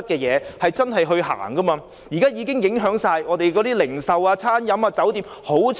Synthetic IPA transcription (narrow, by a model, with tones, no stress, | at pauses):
t̚kɛː˧jɛː˨˧hɐ˨jt͡sɐ˥nɦɐ˨jɦɵ˧ɥɦa̰ː˨˩ŋkɐ˥maː˧ | jiː˨˩kaː˥jiː˨˧˥kɪ˥ŋjɪ˨˥ŋɦœː˨˥ŋsaː˧jɔː˨˧t̪e˨jkɔː˨˥t̪iː˥lɪ˨˩ŋsɐ˨waː˧t͡sʰaː˥njɐ˨˥maː˧t͡sɐ˨˥wt̪iː˨m | ho˨˥wt͡sʰ